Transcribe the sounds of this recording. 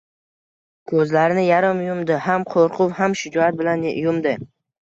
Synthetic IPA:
kʰɵzlaɾɪnɪjaɾɪmjʊmd̪ɪhamqʰoɾqʰʊwhamʃɪd͡ʒɒat̪̚bɪlanjʊmd̪ɪ

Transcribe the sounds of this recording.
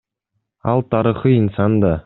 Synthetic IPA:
ɑlˠt̪ʰɑɾiχəinsɑnd̪ɑ

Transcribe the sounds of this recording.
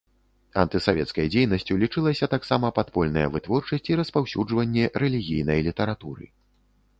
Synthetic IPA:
ɐ̰nt̪ɨsavʲɛt̪skɐjd͡zʲejnɐsʲt͡sʲulʲit͡ʂɨlˠɐsʲɐt̪aksamɐpat̪pɔlʲnɐjɐ̰vɨt̪vɔrt͡ʂɐsʲt͡sʲiɾɐspawsʲud͡ʐvɐnʲːɛɾɛlʲiɣʲijnɐjlʲit̪ɛɾat̪uɾɨ̰

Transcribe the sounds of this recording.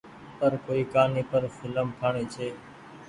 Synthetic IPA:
pəɾkoːiːkaːniːpəɾfʰɪləmk̪ʰaːɳiːt͡ʃʰeː

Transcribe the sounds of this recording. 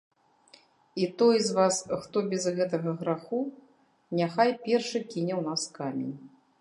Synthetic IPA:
it̪ɔjzvasxt̪ɔbʲɛzɣɛt̪̬ɐɣɐɣɾaxu | nʲaxajpʲɛrʂɨkʲinʲɛwnaskamʲḛnʲ

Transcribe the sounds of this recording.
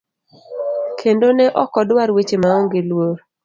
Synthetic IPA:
kʰendonɛʔɔkɔdwaɾwet͡ʃemaoŋɡelwoɾ

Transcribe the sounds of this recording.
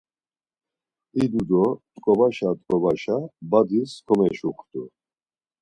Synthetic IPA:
id̪ud̪ɔt̪ʼkʼɔbaʃat̪ʼkʼɔbaʃabad̪iskʰɔmɛʃuχt̪ʼu

